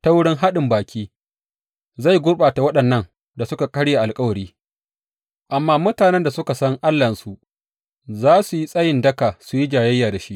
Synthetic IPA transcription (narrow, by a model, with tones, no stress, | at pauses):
ta˦wʊ˦ɽɪ˦ŋɦa˦ɗɪ˨mbaː˨kʲiː˦ | za˦˨jɡʷʊ˦ɽɓaː˨ta˨wɐ˦ɗɐ˨nːɐ˦ŋ | da˨sʊ˦ka˨kʼɐ˦ɽja˨ʔa˨lkʼɐ˦wɐ˨ɽiː˦ | ʔa˨mːaː˦mʊ˦taː˨nɛ˦nda˨sʊ˦ka˨sɐ˦ŋʔa˦lːɐ˨nsu˨ʔ | zaː˦su˨ji˦sʼɐ˦jɪ˨ndɐ˦ka˨su˨ji˦d͡ʒaː˨jɐ˦jːaː˨da˨ʃi˦ʔ